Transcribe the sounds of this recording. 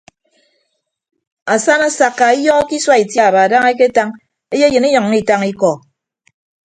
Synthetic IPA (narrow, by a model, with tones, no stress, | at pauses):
a˨sa˦na˨sa˨kːa˨i˦jɔ˦ki˦swa˦i˨tja˦a˨ba˨da˦ŋe˦k̬e˦ta˦ŋ | e˦je˦jɨ˨ni˦ɲɔ˨ŋː˦i˦˨ta˦ŋi˦kɔ˨